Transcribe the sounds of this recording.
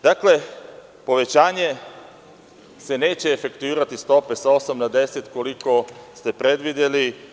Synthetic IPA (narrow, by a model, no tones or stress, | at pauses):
d̪akle̞ | po̞ʋe̞t͡ɕaːɲe̞ | se̞ne̞ːt͡ɕeːfekt̪uiːɾat̪ist̪o̞pe̞sao̞samnad̪e̞se̞t̪ko̞liko̞st̪e̞pɾe̞d̪ʋid̪jeli